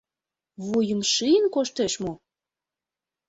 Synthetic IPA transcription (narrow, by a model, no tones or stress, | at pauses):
vujə̆mʃijənkoʃt̪eʃmo